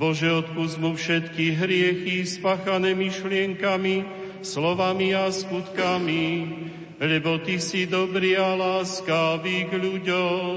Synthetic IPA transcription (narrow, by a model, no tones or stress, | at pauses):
bɔʒɛɔt̪̚puzmufʃɛt̪kiɦɾɪɛxispaxanɛːmiʃlɪɛŋkami | slɔʋamiaskut̪kami | lɛbɔt̪isid̪ɔbɾialaːskaʋiɡʎuɟɔm